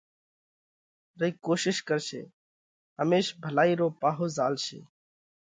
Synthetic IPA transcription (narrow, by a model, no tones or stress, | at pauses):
ɾəikoːʃɪʃkəɾsḛː | ɦəmeːʃbʱəlaːiːɾoːpaːɦoːzaːlʃḛː